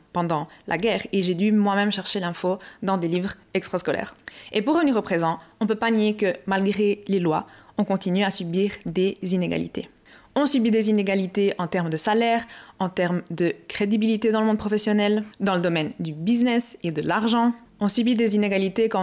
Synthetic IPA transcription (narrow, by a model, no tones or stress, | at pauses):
pɑ̃d̪ɑ̃lʔa̰ɡɛːʁeʒed̪ymwamɛmʃɛʁʃelɛ̃fod̪ɑ̃d̪elivʁɛkst̪χaskɔlɛ̰ːʁepuʁːəvəniʁopχezɑ̃ɔ̃pøpanjekəmalɡʁelelwa̰ɔ̃kɔ̃t̪inyasybiːʁd̪ezineɡa̰lḭt̪ḛ | ɔ̃sybid̪ezineɡalit̪eʔɑ̃t̪ɛʁmd̪əsalɛʁɑ̃t̪ɛʁmd̪əkχed̪ibilit̪ed̪ɑ̃ləmɔ̃d̪̚pχɔfɛsjɔnɛld̪ɑ̃ləd̪ɔmɛnd̪ybiznɛsed̪əlaʁʒɑ̃ | ɔ̃sybid̪ezineɡalit̪ekɑ̃